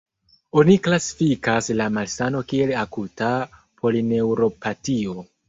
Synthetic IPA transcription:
o̞niklasi̥fikaslamalsano̞kie̞lakuta | pʰo̞line̞wɾo̞pʰatio̞

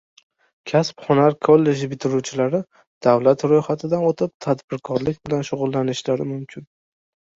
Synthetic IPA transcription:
kʲʰaspχɒnaɾkʰolːe̞d͡ʒɪbɪt̪ʰɪɾut͡ʃʰɪlaɾɪ | d̪̥awlat̪ɾojχat̪ʰɪd̪anot̪ʰɪp̚t̪ʰad̪bɪɾkʰɒɾlɪkʲbɪlanʃʊʁʊlːanɪʃlaɾɪmʊmkʲʰɪn

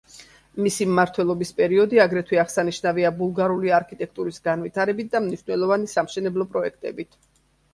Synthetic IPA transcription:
misimːaɾt̪ʰwɛlˠɔbispʼɛɾiɔd̪iaɡɾɛt̪ʰwiaʁsaniʃnaviabulˠɡaɾuliaɾkʰit̪ʼɛk̚ʰt̪ʼuɾisɡanvit̪ʰaɾɛbit̪̚d̪amniʃnɛlˠɔvanisamʃɛnɛblˠɔpʼɾɔɛkʰt̪ʼɛ̰bit̪ʰ

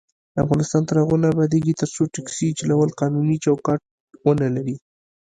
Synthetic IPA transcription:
d̪əa̰fɣɑnɪst̪ɑnt̪əɾaɣonabɑd̪eɡit̪əɾsoʈaksid͡ʒalawəlqɑnunit͡ʃawkɑʈ̚ | wənalaɾi

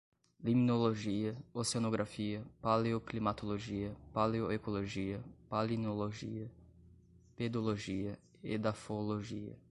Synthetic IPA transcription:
liminoloʒiəosonoɡɾʔafiəpaleoklimat̪oloʒiəpaleoekoloʒiəpalinoloʒḭə | pɛd̪oloʒiə | ḛd̪afoloʒiə̰

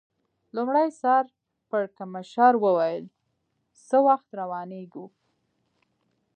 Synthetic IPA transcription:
lumɽajsɑɾ | pəɽkamaʃɑɾwəwajəl | səwaxt̪ɾawɑneɡu

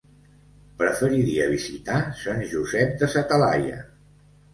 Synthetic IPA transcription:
pɾəfəɾiɾiəβ̞izit̪asanʲʒuzɛp̚d̪əsat̪əla̰jə̰

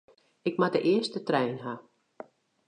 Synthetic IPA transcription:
ɪkmadəʔɪəstətrɛjnɦa

